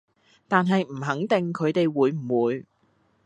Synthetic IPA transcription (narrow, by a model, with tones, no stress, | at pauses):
t̪aː˨nɦɐ˨jm̩˨˩ɦɐ˨˥ŋt̪ɪ˨ŋkʰɵ˨˧ɥt̪e˨jwuː˨˧˥jm̩˨˩wuː˨˧j